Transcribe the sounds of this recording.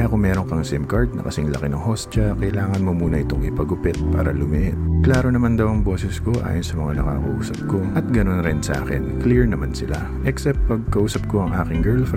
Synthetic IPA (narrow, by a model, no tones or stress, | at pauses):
ʔɐkoŋmɛːɾo̞ŋkɐŋsɪmkɐɹd̪̚nɐ̰kɐsɪŋlɐ̰kɪnɐŋho̞st͡ʃɐkɐʔɪlaːŋɐnmomuːnɐʔɪt̪o̞ŋɪpɐɡʊpɛt̪̚pa̰ːɾɐ̰lʊmɪʔɪt̪klaːɾo̞nɐmand̪ɐwɐŋbo̞ːsɛsko̞ʔa̰ːjonsɐmɐŋanɐka̰kɐ̰ʔṵːsɐp̚ko̞ʔɐt̪̚ɡɐno̞nɾɪnsɐʔa̰ːkɪ̰nkliɹnɐmansɪla | ʔɛksɛp̚t̪̚pɐɡ̚kɐʔuːsɐp̚ko̞ɐŋʔa̰ːkɪŋɡɛɹlf